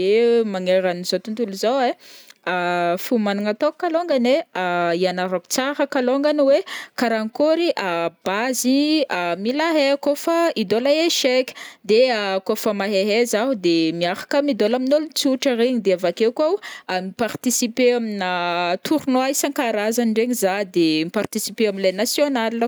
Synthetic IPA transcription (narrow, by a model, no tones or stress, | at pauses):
emaŋeɾaniz̥ot̪unt̪uluzaweafumanuŋat̪okaloŋɡaneaianaɾokt͡saɾəkaloŋɡanwekaɾaŋkoɾiʔab̥aziamilaɦekofaid̪olaeʃeki̥d̪eakofamaɦeɦezaɦud̪emiafḁkəmid̪olaminolut͡suʈ͡ʂəɾeɲid̪eavakekoamipart̪isipeaminat̪ʰuɾunoaisaŋkaɾazaniɳɖ͡ʐeɲizad̪emipart̪isipeaminlajnasjonalː